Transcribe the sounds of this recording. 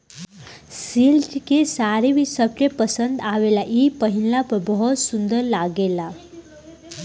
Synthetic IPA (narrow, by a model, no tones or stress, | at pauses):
silʈikesaɾeʋisəp̚t͡ɕepəsənd̪aʋelaʔipəɦillapəbəɦɔt̪sund̪əɾlaɡela